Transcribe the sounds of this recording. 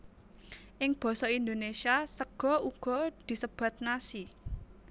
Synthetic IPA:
ʔɪŋb̥ɔ̤sɔind̪onesiasəɡ̥ɔ̤uɡ̥ɔ̤d̪̥i̤səb̥ä̤t̪̚nasi

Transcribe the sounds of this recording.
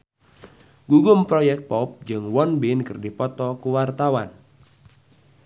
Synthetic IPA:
ɡuɡʊmpɾɔjɛk̚t̪̚pɔp̚d͡ʒɨŋwɔnbinkɨrdipɔt̪ɔkuwart̪awan

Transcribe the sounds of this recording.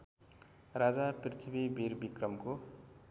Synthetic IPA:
rad͡zaprt̪ʰibibʱiɾbikrʌmko

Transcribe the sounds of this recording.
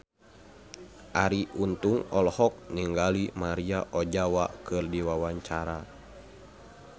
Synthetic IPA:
ʔaɾiʔunt̪uŋɔlhɔk̚niŋɡalimaɾiaʔɔd͡ʒawakɨrdiwawaɲt͡ʃaɾa

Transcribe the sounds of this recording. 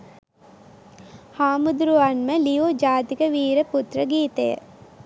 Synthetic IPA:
haːmud̪ɾuʋanməlijod͡ʒaːt̪ikəʋiːɾəput̪rəɡiːt̪əjə̰

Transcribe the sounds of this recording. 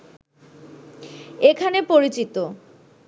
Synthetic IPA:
ekʰanepoɾit͡ɕit̪o

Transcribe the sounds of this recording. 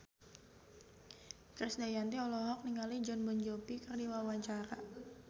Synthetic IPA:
kɾɛsdajant̪iɔlɔɦɔk̚niŋalid͡ʒɔnbɔnd͡ʒopikərdiwawaɲt͡ʃaɾa

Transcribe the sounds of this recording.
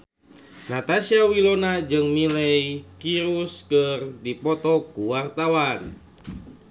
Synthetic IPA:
nat̪asiawilonad͡ʒɨŋmilɛjkiɾuskərdipɔt̪ɔkuwart̪awan

